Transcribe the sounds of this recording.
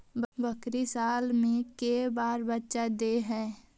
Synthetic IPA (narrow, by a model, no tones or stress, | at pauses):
bbəkɾisaːlmẽkeːbaːɾbətːʃad̪eɦɛ̃ː